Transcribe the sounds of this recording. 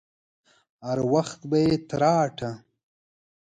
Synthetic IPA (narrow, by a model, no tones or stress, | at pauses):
haɾwaxt̪bajet̪ɾɑːʈʰa